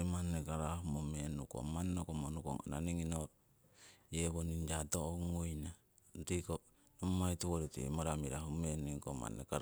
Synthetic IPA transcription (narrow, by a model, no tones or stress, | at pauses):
ɾimanːekaɾaɦumomenuko̰mannokomonuko̰ŋa̰na̰niŋino | jeβonind͡ʒatooŋojna | ntiko | nomajtuβoɾitḭḛmaɾamiɾahumeniŋkoma̰nḛkaɾ